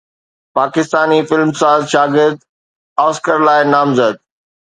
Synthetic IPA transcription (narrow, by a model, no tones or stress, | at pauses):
paːkɪst̪aːnifɪlmsaːzʃaːɡɪɾd̪ | aːskəɾlaːɪnaːmzəd̪̚